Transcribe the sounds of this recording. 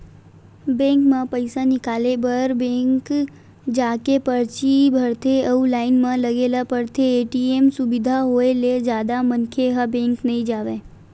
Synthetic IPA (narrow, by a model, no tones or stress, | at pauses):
bɛ̃ːŋkmãpəɪsanɪkaːlebəɾbẽːŋk | d͡ʒaːkepəɾt͡ʃibʱəɾt̪ʰeəulaːɪnmãləɡeːlapəɾt̪ʰeːʈiemsʊbɪd̪ʱaɦoeled͡ʒjaːd̪amənkʰeɦəbɛ̃ːŋknɐɦĩd͡ʒaːʋe